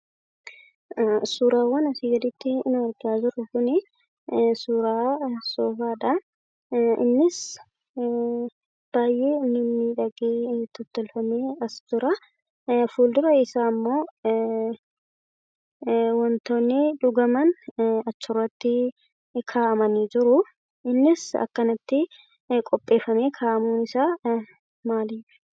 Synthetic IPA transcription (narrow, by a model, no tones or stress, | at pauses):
suːɾaːwɐnɐsiːɡɐd̪ɪt̪ːɪnʊɐɾɡaːd͡ʒɪɾʊkʊnɪ | suːɾaːsoːfaːᶑɐ | ɪ̰nːɪs | b̥aːjʔe̞ːnʊnːɪᶑɐɡeːt̪ɔt̪ːɔlfɐmeːɐsd̪ʊɾɐ | fuːld̪ʊɾɐɪsaːmːo̞ː | wɔnt̪oːnːeːᶑʊɡɐmɐnɐt͡ʃːɔrːɐt̪ːɪ | kʰaːʔɐmɐniːd͡ʒɪɾʊ | ɪnːɪsɐ̰kːɐnɐt̪ːɪ | kʼɔpʼːe̞ːfːɐmeːkʰaːʔɐmuːnɪsaː | maːliːfɪ̥